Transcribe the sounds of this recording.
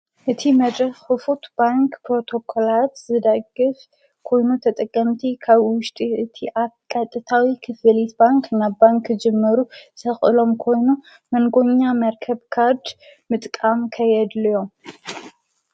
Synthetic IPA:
ʔɨt̪ʰimɐd̪ɾɐxɨfut̪baŋkpɾo̞t̪ʰo̞kʰo̞lat̪zɨd̪ɐɡɨf | kʰo̞jnut̪ʰɐt̪ʼɐkʼːɐmt̪ʰikʰaβwʊʃt̪ʼiʔɨt̪ʰiʔakʼat̪ʼːɨt̪ʰawikʰɨfɨlit̪baŋknaβbaŋkːd͡ʒɛmːɨɾut̪ʰɐxʼɨlo̞mkʰo̞jnu | mɐŋɡo̞ɲːamɐɾkʰɐβkʰaɾd̪mɨt̪ʼkʼamkʰɐjɛd̪lɨjo̞m

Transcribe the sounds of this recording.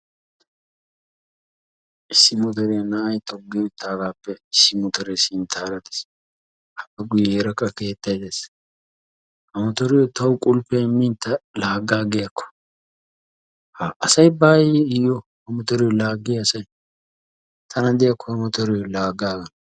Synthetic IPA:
ɪsːɪmɔt̪ɔɾenaːjt̪ʼɔɡːɛʊt̪ʰːaːlaːpːɛɪsːɪmɔt̪ɔɾesɪnt̪ʰaːɾɐt̪ɪ̥s | hɐʔɐɡʊjeɾɐkːɐke̞ːt̪ːɐjd̪es | hɐmɔt̪ɔɾɛjɔt̪ɐwʊkʼʊlpɛmːint̪ɐlaːɡaːɡɛjɐkːɔ̥ | haʔɐsɐjbaːjɛɪjɔhɐmɔt̪ɔɾɛjlaːɡːɪjɐsɐj | t̪ʰɐnɐd̪ɛjɐkːɔhɐmɔt̪ɔɾɛjɔlaːɡaːɡɐn

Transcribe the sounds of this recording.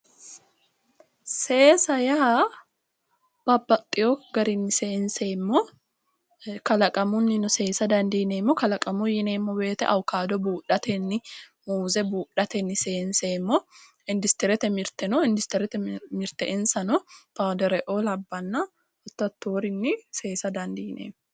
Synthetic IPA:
se̞ːsɐjɐ | b̥ɐbːɐt̪ʼːɪjoɡɐɾɪnːɪseːnseːmːɔ | kɐlɐkʼɐmʊnːɪnʊseːsɐd̪ɐnd̪iːneːmːɔkɐlɐkʼɐmʊjɪneːmːɔbe̞ːt̪ɛ̰ʔɐwkaːd̪ɔbuːᶑɐt̪ɛnːɪmuːzɛbuːᶑɐt̪ɛnːɪseːnseːmːɔ | ɪnd̪ɪst̪ɛɾɛt̪ɛmɪɾt̪ɛnɔɪnd̪ɪst̪ɛɾɛt̪ɛmɪɾt̪ɛʔɪnsɐnɔpaːd̪ɛɾɛʔoːlɐbːɐnːɐ | ɔt̪ːɐt̪ːoːɾɪnːɪseːsɐd̪ɐnd̪iːnʔḛːm

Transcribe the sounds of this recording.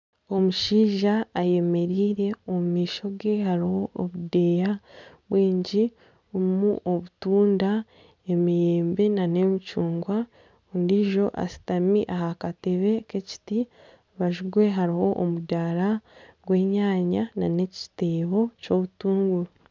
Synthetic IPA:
o̞muʃiːʒaːje̞me̞ɾiːɾe̞omumiːʃo̞ɡe̞haɾiho̞ːβude̞ja | βwiːɲɟi | omuʔoβutuːnda | e̞mijeːmbe̞nanemit͡ʃuːŋɡwa | undiʒo̞ʔa̰si̥tamiʔaɦakateβe̞ke̞ci̥ti | βaʒuɡwe̞ɦaɾiho̞ʔːmudaɾaɡwe̞ːɲaːɲanane̞ci̥teːβo̞co̞βutuːŋɡu

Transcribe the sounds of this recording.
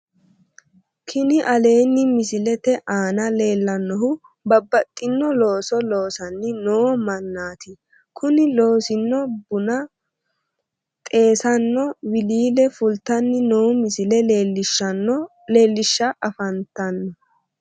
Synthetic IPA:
kʰɪnɪʔɐle̞ːnːɪmɪsɪlɛt̪ɛʔaːnɐle̞ːlːɐnːɔɦʊ | bɐbːɐt̪ʼːɪnːɔlo̞ːsɔlo̞ːsɐnːɪnoːmɐnːaːt̪ʰɪ | kʰʊnɪlo̞ːsɪnːɔbʊnɐ | t̪ʼe̞ːsɐnːɔwɪliːlɛfʊlt̪ːɐnːɪnoːʊmɪsɪlɛeːlːɪʃɐnɔ | le̞ːlːɪʃːɐʔɐfɐnt̪ɐnːɔ

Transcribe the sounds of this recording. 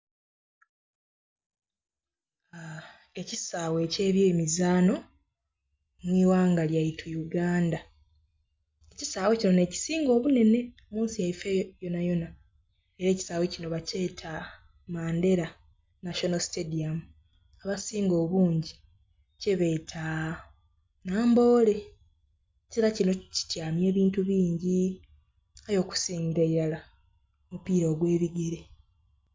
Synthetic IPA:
e̞cisaːwe̞ce̞ːβjeːmizaːno̞ | mwiːwaːŋɡaljajitʰujuɡaːnda | ecisaːwecino̞ne̞ːci̥siːŋɡo̞ːβune̞ne̞omuːnsijaifejo̞najo̞na | e̞ɾe̞ːci̥saːwecino̞βace̞ːtʰa | maːnde̞ɾa | naʃonosi̥tediamu | aβasiːŋɡo̞ːβuːɲɟi | ceβe̞ːtʰa | naːmbo̞ːle̞ | ciɾacino̞ci̥cjaːmje̞ːβiːntuβiːɲɟi | ajo̞ːku̥siːɲɡiɾaiɾala | omupiːɾo̞ːɡwe̞ːβiɡeɾe

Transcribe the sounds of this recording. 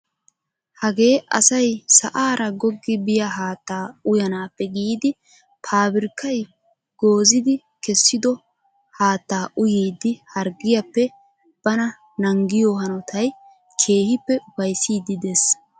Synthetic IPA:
hɐɡe̞ːʔɐsɐjsɐʔaːɾɐɡɔɡːɪbɪjɐɦaːt̪ːaːʊjɐnaːpːɛɡiːd̪ɪ | pʰaːbɪɾkːɐj | ɡ̥o̞ːzɪd̪ɪ | kɛsːɪd̪ɔ | haːt̪ːaːʔʊjiːd̪ɪhɐɾɡɪjɐpːɛ | b̥ɐnɐ | nɐŋɡɪjoːɦɐnɔt̪ʰɐj | kʰe̞ːhɪpːɛʊwɐjsiːd̪ɪd̪es

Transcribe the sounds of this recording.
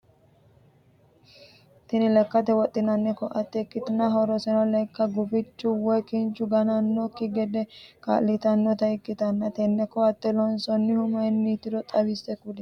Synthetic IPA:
t̪ɪnɪlɛkːɐt̪ɛwɔt̪ʼːɪnɐnːɛkːɔʔɐt̪ːɛɪkːɪt̪ɪnɐɦɔɾɔsɛnɔlɛjkːɐɡʊbɪt͡ʃːʊwɔjkɪnt͡ʃːʊɡɐnɐnːɔkːɪɡɛd̪ɛka̰lːɪt̪ɐnːɔt̪ɐɪkːɪt̪ɐnːɐt̪ɛnːɛkːɔɐt̪ːɛlɔnsɔnːɪhʊmɐnːit̪ːɪd̪ɔt̪ʼɐβɪsɛkʊlɛ

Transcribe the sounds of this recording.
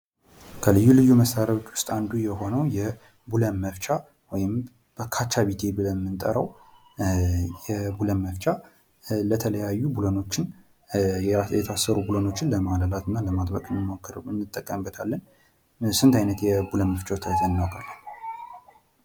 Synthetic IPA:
kʰəlɨjːulɨjːuməstaɾaot͡ʃːwʊ̥st̪ʼand̪ujɛho̞nəwjɛ | bulənməft͡ʃʼa | wɔjɪm | b̥əkʰat͡ʃːaβit̪ʰe̞bɨləmːɨnt̪ʼə̰ɾəw | jɛbulənməft͡ʃʼa | lət̪ʰələjajːubuləno̞t͡ʃːɪn | jɛt̪ʰasːəɾubuləno̞t͡ʃːɪnləmaləlat̪ʰɨnːaləmad̪bəkʼɨnːɨmo̞kːɨɾɨnːɨt̪ʼːəkʼːəmbːət̪ʰalːən | sɨnt̪ʰajnət̪jɛbulənməft͡ʃʼat̪ʰajt̪ʰənːawkʰʼalːən

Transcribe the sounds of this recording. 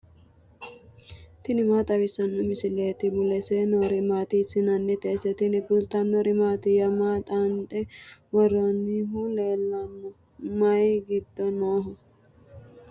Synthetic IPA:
t̪ɪnɪmaːt̪ʼɐɡɪsɐnːɔmɪsɪleːt̪ɪbʊlɛsenoɾɪmaːt̪ɪsɪnɐnːɛt̪ɛːsɛt̪ɪnɪɡʊlt̪ɐnːɔɾɪmaːt̪ɪjɐmaːt̪ʼant̪ʼɛwɐrɐniɦʊleːlːɐnːɔ | mɐjɡɪd̪̥ːɔnoːɦɔ

